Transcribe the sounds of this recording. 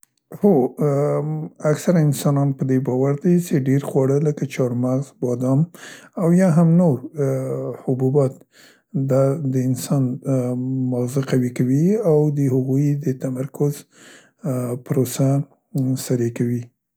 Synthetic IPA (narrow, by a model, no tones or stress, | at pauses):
ho | aksaɾaɪnsɑnɑnpəd̪ebɑwaɾd̪et͡ʃeɖeɾxwɑɽələkat͡ʃɑɾmaɣzbɑd̪ɑmawjɑɦamnoɾ | hʊbubɑt̪ | d̪ɑd̪əɪnsɑn | mazɪqawikawiawd̪əhʊɣujd̪ət̪amaɾkʊz | pəɾosa | saɾekawi